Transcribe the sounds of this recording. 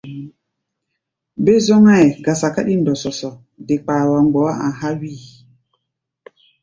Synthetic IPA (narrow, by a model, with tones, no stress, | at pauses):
be˦zɔ˦ŋa˦ɛ˨ɡa˨sa˨ka˦ɗi˦ndɔ˨sɔ˨sɔ˨ | de˨k͡pa˨wa˨ŋ͡mɡ͡bɔ˨˦a˦ʔã˨ɦa˦wi˦˨